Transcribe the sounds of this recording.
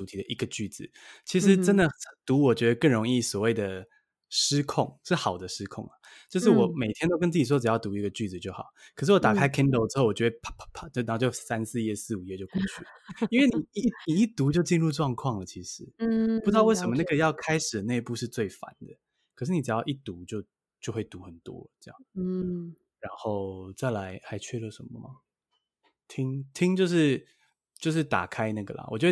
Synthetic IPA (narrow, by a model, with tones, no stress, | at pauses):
u˧˥t̪ʰi˨˩d̪ə˩ʔi˧˥ɡə˧t͡ɕy˥˩d͡zɹ̩˩t͡ɕʰi˧˥ʂɻ̩˧˦ʈ͡ʂə˦˥nd̪ə˨xə˩t̪u˧˥wɔ˨˩t͡ɕɥɛ˧˥d̪ə˧kə˥˩ŋɻo˧˥ŋi˥˩swɔ˨˩we˥˩ɪd̪ə˩ | ʂɻ̩˥kʰɔ˥˩ŋʂɻ̩˥˩xɑ˨˩ʊd̪ə˦ʂɻ̩˥kʰʊ̰˥˩ŋa˩t͡ɕjo˥˧ʂ̬ɻ̩˥˩wɔ˨˩me˨˩ɪt̪ʰjɛ˥nt̪o˥ʊkə˥nt͡s̬̩˥˩t͡ɕi˨˩wɔ˥ʈ͡ʂɻ̩˩jɑ˥˩ʊt̪u˧˥i˧˥ɡə˧t͡ɕy˥˩d͡zɹ̩˨˩t͡ɕjo˥˩ʊxɑ̰˨˩˦ʊkʰə˨˩ʂ̬ɻ̩˥˩wɔ˧˦t̪a˨˩kʰa˥ɪkʰi˥nd̪o˧ʊʈ͡ʂɻ̩˥xo˥˩ʊwɔ˨˩t͡ɕɥɛ˧˥˩pʰpʰpʰt͡ɕn˨˧˥t͡ɕjo˥˧ʊsa˦˥nsɹ̩˥˧jɛ˥˧sɹ̩˥˨u˨˩jɛ˥˧t͡ɕjo˥˧ʊku˥˧t͡ɕʰy˥˩lə˩i˥nwe˥˩ɪni˨˩i˥˧˥ni˨i˥˩t̪u˧˥t͡ɕjo˥˧ʊt͡ɕi˥˧nɻu˥˧ʈ͡ʂwɑ˥˧ŋkʰwɑ˥˩ŋlə˩t͡ɕʰi˧˥ʂɻ̩˧˦pu˧ʈ͡ʂ̩̪˥ɑ˥˧we˥˩ʂə˧˥mə˧na˥˩ɡə˨jɑ˥˩ʊkʰa˥ɪʂɻ̩˨˩d̪ne˥˧ɪpu˥˧ʂɻ̩˥˧t͡swe˥˩ɪfa̰˧˦nd̪ə˨ | kʰə˨˩ʂɻ̩˥˩ni˨˩ʈ͡ʂɻ̩˨˩jɑ˥˧ʊʔi˥˩t̪u˧˥t͡ɕjo˥˧ʊ | t͡ɕjo˥˧ʊxwe˥˩ɪt̪u˧˦xə˨˩nt̪wɔ̰˦ə˨˩ʈ͡ʂɤ˥˧jɑ̰˥˩ŋ | ɻa˧˥nxo˥˩ʊt͡sa˥˩ɪla˧˦ɪxa˧˥ɪt͡ɕʰɥɛ˥˧lə˨ʂə˧˦nmə˦mɐ˩ | t̪ʰi˥ŋt̪ʰi˥ŋt͡ɕjo˥˧ʊʂɻ̩˥˧ | t͡ɕjo˥˧ʊʂ̬ɻ̩˥˩t̪a̰˨˩kʰa˥ɪna˥˩ɡə˩lɐ̰˨wɔ̰˨˩t͡ɕjo˥˧˥w